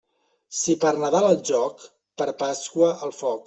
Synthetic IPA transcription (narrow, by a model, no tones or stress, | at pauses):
sipəɾnəðaləlˠʒɔk | pəɾpaskwəʔəlˠfɔk